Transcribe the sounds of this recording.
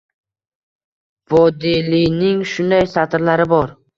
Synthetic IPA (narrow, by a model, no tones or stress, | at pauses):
vɒd̪ilinɪŋʃʊnd̪ajsat̪ɾlaɾɪbɒɾ